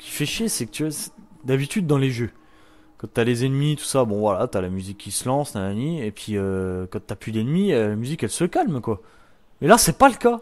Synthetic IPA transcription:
skʲʰi̥fɛʃesɛkə̥t̪yasd̪abit̪yd̪ːɑ̃leʒø | kɑ̃t̪yalezenmit̪u̥sabɔ̃vwalat̪yalamyzikʰːisəlɑ̃snananiepʰɥiøkɑ̃t̪yaplyd̪ɛnmiølamyzikɛlsəkalmkwa | mɛlasɛpaləka

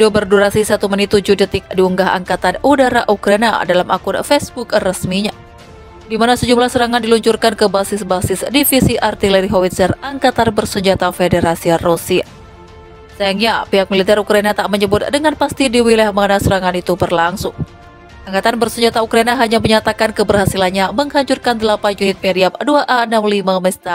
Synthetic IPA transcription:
idobərduɾasisat̪umənit̪ud͡ʒudit̪ɪk̚diuŋɡaɦa̰ŋkat̪anudaɾaʔukɾaina̰dalamakʊnfɛsbukrəsmiɲa | dimanasəd͡ʒumlahsəɾaŋandiluɲt͡ʃurkankəbasɪsbasɪsdifisiʔart̪ilɛɾiɦowit̪sɛraŋkat̪anbərsəɲd͡ʒat̪afedeɾasiarusia̰ | sajaŋɲapiɦak̚milit̪ɛɾukɾainat̪aʔməɲəbʊt̪̚dəŋanpast̪idiwilahmanasəɾaŋanit̪ubərlaŋsʊŋ | ʔaŋkat̪anbərsəɲd͡ʒat̪aukɾainaɦaɲaməɲat̪akankəbərɦasilanɲaməŋhaɲt͡ʃurkandəlapand͡ʒunɪt̪̚mediamduaʔaənamlimamɛst̪a

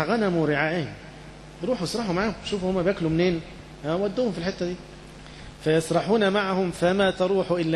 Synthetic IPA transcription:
ɣænæmɾɪʕaːʔɪhɪm | ɾuːħwɪsˤɾˤɑħumaʕaːhʊmʃuːfhʊmːæbæːklumneːn | hæwæd̪ːuːhʊmfilħet̪ːæd̪iː | fæjɑsˤɾˤɑħuːnæmaʕahʊmfæmæːt̪ɑɾˤuːħuʔɪlːæ

